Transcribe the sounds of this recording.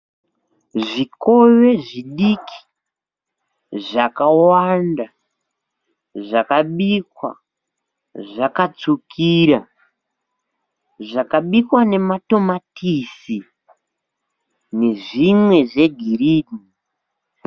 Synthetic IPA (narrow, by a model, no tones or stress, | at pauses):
ʐiko̞je̞ʐiɗikʰi̥ | ʐakawanda | ʐakaɓikwa̰ | ʐakat͡sukʰiɾa | ʐakaɓikwane̞mato̞matisi | ne̞ʐimwe̞ʐe̞ɡʱiriːni